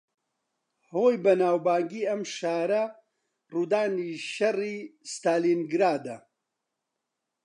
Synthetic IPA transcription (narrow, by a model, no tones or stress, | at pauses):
hoːjbɐnaːwbaːŋɡiːɐmʃaːɾɐ | ruːd̪aːniʃɐriːst̪aːlinɡɾaːd̪ɐ